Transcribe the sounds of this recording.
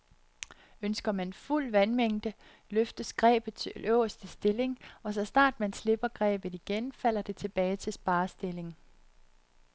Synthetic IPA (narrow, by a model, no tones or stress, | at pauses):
ønsɡ̥ɐmænful̰ʋænmeŋ̰d̥ə | løfd̥əsɡ̥ʁɛ̰ːb̥ð̩ˠt͡sʰe̝lʔœʊ̰ɐsd̥əsd̥e̝le̝ŋɒ̽sɒ̽snɑ̰̈ːd̥mænsle̝b̥ɐɡ̥ʁɛ̰ːb̥ð̩ˠiɡ̥enfæl̰ɐd̥e̝t͡sʰe̝b̥ɛːɪt͡sʰe̝sb̥ɑ̈ːsd̥e̝le̝ŋ